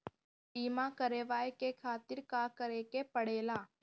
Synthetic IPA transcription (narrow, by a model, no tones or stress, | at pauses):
iːmãːkəɾeːʋaːekekʰaːt̪ɪɾkaːkəɾeːkepəɽeːlaː